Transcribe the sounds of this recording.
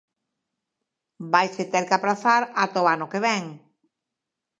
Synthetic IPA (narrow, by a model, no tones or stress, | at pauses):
bajset̪eɾkapɾaθaɾat̪oanʊkeβɛŋ